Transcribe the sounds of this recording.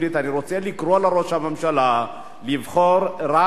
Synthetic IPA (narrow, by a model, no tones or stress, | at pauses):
lit̪aniɾot͡sealikroalaɾoʃamamʃala | livχoɾra